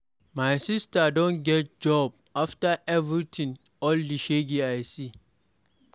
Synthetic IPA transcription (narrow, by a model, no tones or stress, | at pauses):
maɪsistadɔ̃nɡɛt̚d͡ʒɔb̚aftaʔɛvɹitʰĩŋ | ɔldiʃeɡiaɪsi